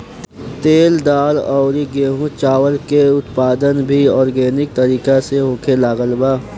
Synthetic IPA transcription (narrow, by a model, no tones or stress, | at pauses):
t̪eːld̪aːlɔːɾiɡeːɦũt͡ʃaːʋəɾkeʊt̪paːd̪ənbʱiɔːɾɡɛːnɪk̚t̪ɐɾiːkaseɦoːkʰelaːɡəlbaː